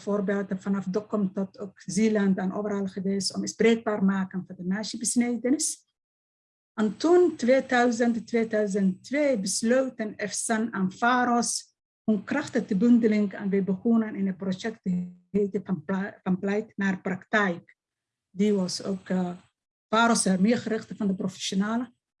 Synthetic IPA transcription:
foːrbeːlˠtfanɑfdɔkɔmtɔtokziːlantanʔo̰ːvərhɑlˠχəʋeːsɔmɪsbreːɡ̚baːrmaːkənfɑndənaːʃəbəsnejdənɪs | ɛntuntʋeːdœɥzənttʋeːdœɥz̬ənttʋeːbəsløwtənɛfsɛnaːnfaːɾɔs | hunkrɑxtəxtəbʏndəlɪŋka̰nʋebəχunənɪnəprojɛk̚təeːtəfɑnplɛjtnaːrpraktɛjk | diʋɔso̰ːk | faːɾɔsərmɪːrχəɾɪxtəfɑndəprofɛ̥ʃonaːlə

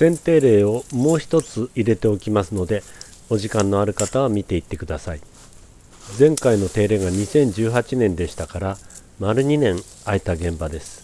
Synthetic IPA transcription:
sẽ̞nt̪e̞ːɾe̞ːo̞mo̞ːçi̥t̪o̞t͡sɨiɾe̞t̪e̞o̞kʲimasɨno̞d̪e̞o̞ʑikãnːo̞aɾɯ̟kat̪aβamʲit̪e̞it̪ːe̞kɯ̟d̪asai | d͡zẽ̞ŋkaino̞t̪e̞ːɾe̞ːɡaɲ̟isẽ̞ɲ̟d͡ʑɨːɦat͡ɕinẽ̞nd̪e̞ɕi̥t̪akaɾa | maɾɯ̟ɲ̟inẽ̞ŋ | ait̪aɡẽ̞mbad̪e̞sɨ̥

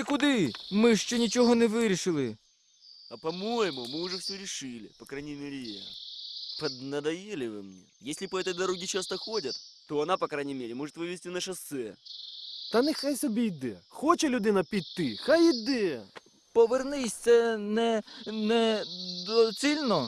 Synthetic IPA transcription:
ɪkʊd̪ɪmɨʂt͡ɕonʲɪt͡ɕɪɦonɪʋɪɾʲɪʂɨlˠɨ | ɐpɐmojɪmʊmɨʊʐɛfsʲoɾʲɪʂɨlʲɪ̰pɐkɾajnʲɪjmʲeɾʲɪja̰pɐd̪nɐd̪ɐjelʲɪʋɨ̰mnʲḛjesʲlʲɪpɐɛt̪əjd̪ɐɾo̞ɡʲɪt͡ɕast̪ɐxodʲɐt̪ː | oɐnapɐkɾajnʲɪjmʲeɾʲɪmoʐɨt̪ʋɨʋʲɪsʲtʲinɐʂɐsɛ | t̪anʲɪxajsʲɐbʲid̪ɛxot͡ɕɪlʲʊd̪ɪnɐpʲitʲt̪ɨxajɪd̪ɛ | pəʋɪrnɨsʲɛnɛnɛd̪ɔsʲilʲno

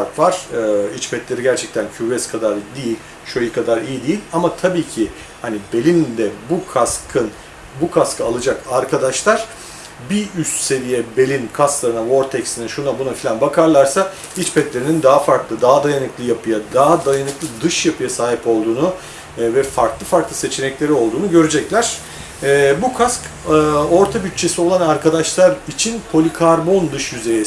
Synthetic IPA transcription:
ɾk̪vaɾ̥ɯit͡ʃpʰɛt̪lʲe̞ɾiɟæɾt͡ʃʰɛc̚t̪ʰæncʰyɾvɛskʰad̪aɾd̪ijilʲ | ʃojikʰad̪aɾijid̪ijilʲamat̪ʰabiːcʰi | hanibe̞lʲind̪ɛbukʰaskʰɯn | bukʰaskʰɯalˠɯd͡ʒakaɾkʰad̪aʃlˠaɾ̥ | biyst̪se̞ɾijɛbe̞lʲinkʰasklˠaɾɯnavo̞ɾt̪ʰɛcsinɛʃunabunafilʲanbakʰaɾlˠaɾsa | it͡ʃpʰɛt̪lʲe̞ɾinind̪aɦafaɾklˠɯd̪aɦad̪ajanɯklˠɯjapʰɯjad̪aɦad̪ajanɯklˠɯd̪ɯʃjapʰɯjasaːɦipo̞lˠd̪uːnu | vɛfaɾklˠɯfaɾklˠɯse̞t͡ʃʰenɛclʲe̞ɾio̞lˠd̪uːnuɟø̞ɾyd͡ʒɛclʲæɾ̥ | ɛbukʰaskːo̞ɾt̪ʰabyt̪̚t͡ʃʰːe̞sio̞lˠanaɾkʰad̪aʃlˠaɾit͡ʃʰinkʰo̞lʲikʰaɾbo̞nd̪ɯʃjyze̞jɛ

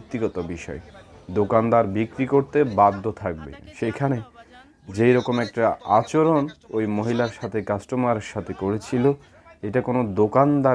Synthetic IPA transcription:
k̚t̪ːiɡɔt̪obiʃɔ̰ed̪okand̪aɾbikɾikoɾt̪ebadd̪ʱːot̪ʰak̚bḛʃekʰane | d͡ʑejɾɔkomɛk̚ʈaat͡ɕoɾonojmoɦilaɾʃat̪ʰekasʈomaɾeɾʃat̪ʰekoɾet͡ɕʰilo | eʈakonod̪okand̪a

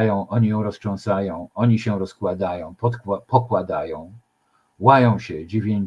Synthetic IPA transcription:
jɔ̃w̃ʔɔɲijɔ̃w̃ɾɔsʂɔ̃w̃sajɔ̃w̃ɔɲiɕɛɾɔskwad̪ajɔ̃w̃pɔpɔkwad̪ajɔ̃w̃ | wajɔ̃w̃ɕɛd͡ʑivʲeɲ

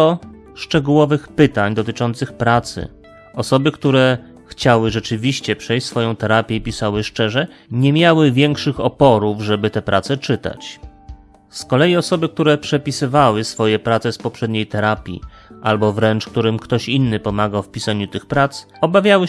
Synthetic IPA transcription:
ɔ | ʂt͡ʂɛɡuwɔvɘxpɘt̪aɲd̪ɔt̪ɘt͡ʂɔnt̪sɘxpɾat̪sɘ̰ | ɔsɔbɘkt̪uɾɛ | xt͡ɕawɘʐɛt͡ʂɘvʲiɕt͡ɕɛpʂɛjʲsfɔjɔ̃w̃t̪ɛɾapʲjɛipʲisawɘʂt͡ʂɛʐɛɲɛmʲjawɘvʲjɛŋkʂɘxɔpɔɾuvʐɛbɘt̪ɛpɾʔat̪sɛt͡ʂɘt̪a̰t͡ɕ | skɔlɛjiɔsɔbɘkt̪uɾɛpʂɛpʲisɘvawɘsfɔjɛpɾat̪sɛspɔpʂɛd̪ɲejt̪ɛɾapʲjḭʔalbɔvɾɛnt͡ʂkt̪uɾɘmkt̪ɔɕinːɘpɔmaɡawfpʲisaɲut̪ɘxpɾat̪s | ɔbavʲjawɘ

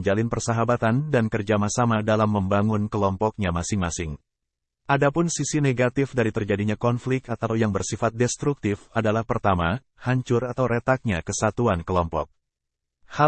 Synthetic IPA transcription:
ɲd͡ʒalɪnpərsaɦabat̪andankərd͡ʒamahsamadalamːəmbaŋʊnkəlɔmpɔk̚ɲamasɪŋmasɪŋ | ʔadapʊnsisineɡat̪ɪfdaɾit̪ərd͡ʒadiɲakɔnflɪk̚t̪at̪awjaŋbərsifat̪̚dɛst̪ɾuk̚t̪ɪfadalahpərt̪ama | haɲt͡ʃʊrat̪awɾʔɛt̪ak̚ɲakəsat̪uankəlɔmpɔ̰k̚ | ha

